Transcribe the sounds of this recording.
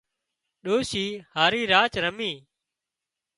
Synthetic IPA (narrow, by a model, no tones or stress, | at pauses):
ɗoːʃiːhaːɾiːɾaːt͡ʃɾəmiː